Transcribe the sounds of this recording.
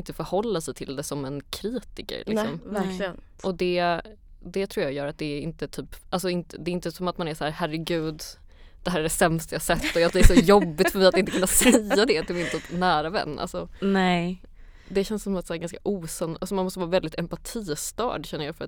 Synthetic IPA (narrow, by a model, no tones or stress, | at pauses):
nt̪əfœɾhɔlːasɛjt̪ʰɪld̪ɛsɔmɛnkʰɾiːt̪ɪkə̰ɾlʔɪ̰ssɔ̰mvæ | ʔɔd̪ɛ | d̪ɛt̪ʰɾuːɾjɑːɡjœːɾat̪̚d̪ɛːɪnt̪ət̪ʰyːpːalsɔɪnt̪əd̪ɛɪnt̪ːəsɔmat̪manæʂsæːɾhæɾɛɡʉ̟ːd̪ | d̪̥ɛɦæːɾɛɖɛsɛmst̪ajɑsɛt̪ːɔad̪ɛsɔjɔbːɪt̪fœɾmɛjat̪ɪnəkʰɵnːasɾɛjad̪ɛt̪ʰɪlmɪnt̪ʰyːpnæːɾavɛ̰nːʔa̰lsɔnɛ | d̪ɛɕɛnsɔmat̪sæːɾɡanskaʔuːsanʔalsɔmanmɔst̪əvɑːvɛld̪ɪt̪ɛmpat̪ʰiːst̪ɑ̰ːɖɕɛnːəɾjɑːfœɾat̪